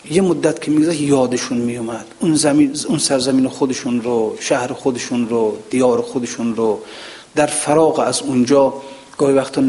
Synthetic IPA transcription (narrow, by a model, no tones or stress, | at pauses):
jemod̪ːæt̪kʰemiɡzæʃjɒːd̪eʃunmijumæd̪̥unzæmiunsæɾzamiːnexod̪eʃunɾoʃæhɾexod̪eʃunɾod̪̥ijɒːɾexod̪eʃunɾo | d̪æɾfaɾɒːɣeæzund͡ʒɒː | ɡ̥ɔːhivæxt̪ʰɔn